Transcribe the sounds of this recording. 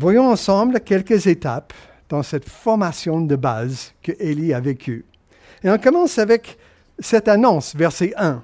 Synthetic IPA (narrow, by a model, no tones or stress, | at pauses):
vwajɔ̃ɑ̃sɑ̃blkʲɛlkəzet̪ap | d̪̥ɑ̃sɛt̪fɔʁmasjɔ̃d̪əba̰zkəʔeliavekʰʲy | eɔ̃kɔmɑ̃savɛk | sɛt̪anɔ̃svɛʁsɛʔɛ̃